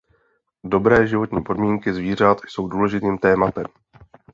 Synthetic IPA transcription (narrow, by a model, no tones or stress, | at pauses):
do̞bɾɛːʒɪvo̞t̪ɲiːpo̞dmiːŋkɪzviːr̝at̪jso̞wduːlɛʒɪt̪iːmt̪ɛːmat̪ɛm